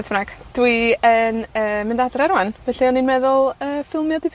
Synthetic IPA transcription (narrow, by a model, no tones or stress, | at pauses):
ðnaɡ̥d̥wiənəːmɪndadrɛɾwanv̥ɛɬiɔninmɛðʊlˠəːfɪlˠmjɔdipʰ